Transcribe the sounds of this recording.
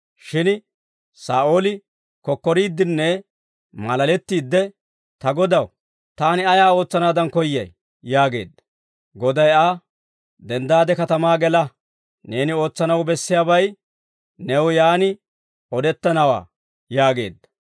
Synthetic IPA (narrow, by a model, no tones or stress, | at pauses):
ʃɪn | saːʔo̞ːlɪ | kɔkːɔɾiːd̪ːɪnːɛ | mɐlɐlɛt̪ːiːd̪ːɛ | t̪ɐɡɔd̪ɐw | t̪aːnɪɐjaːo̞ːt͡sːɐnaːd̪ɐnkɔjːɐ̰j | jaːɡe̞̰ːd̪ːɐ̥ | ɡɔd̪ɐjaː | d̪ɛnd̪aːd̪ɛkɐt̪ɐmaːɡɛlɐ | ne̞ːnɪo̞ːt͡sːɐnɐwbɛsːɪjaːbɐj | nɛwjaːnɪ | ɔd̪ɛt̪ːɐnɐwa̰ː | jaːɡe̞̰ːd̪ːɐ̥